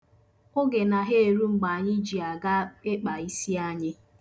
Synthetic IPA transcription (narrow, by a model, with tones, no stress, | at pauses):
ʊ˦ɡe˨na˨ɦe˦e˨ɾu˦ŋ͡m̩˨ɡ͡ba˨a˨ɲɪ˦d͡ʒi˨a˨ɡa˦ɪ˦k͡pa˨i˦si˦a˦ɲɪ˦